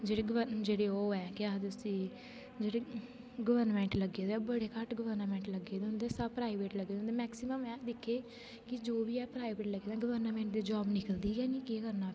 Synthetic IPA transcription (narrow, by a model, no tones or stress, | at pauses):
d͡ʒeːɽeːɡəʋəd͡ʒeːɽeːoːɛːkɪaːt̪sĩː | d͡ʒeːɽeː | ɡəʋəɾnmɛ̃ːɳʈləɡeːd̪bəɽeːkəʈɡəʋəɾnmɛ̃ːɳʈləɡːeːd̪eʊ̃nd̪eːsəpɾaːiʋeːʈləɡeːd̪nd̪eːmɛːksɪməmɛ̃ːd̪ɪkʰːeː | kɪd͡ʒoːʋiːɛːpɾaːiʋeːʈləɡeːd̪ãːɡəʋəɾnmɛ̃ːɳʈd̪eːd͡ʒɔːbnɪkəld̪iːɛːniːkeːkəɾnaː